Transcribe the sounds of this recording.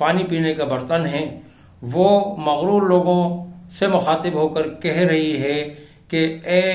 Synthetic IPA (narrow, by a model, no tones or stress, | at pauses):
paːnipiːnekabɐɾt̪ənɦɛ̃ | ʋoːmɐɣɾuːɾloːɡõsemʊxaːt̪ɪbɦoːkəɾkɛɦɾɐɦiɦɛ | keɛː